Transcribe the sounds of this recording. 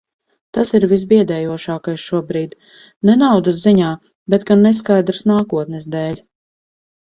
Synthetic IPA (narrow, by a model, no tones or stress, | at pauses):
t̪asiɾvis̬biɛd̪ɛːjuɔʃaːkajsʃuɔbɾiːd̪ | nɛnawd̪asziɲaː | bet̪ɡanːɛskajd̪ɾsnaːkuɔt̪nɛsd̪ɛːlʲ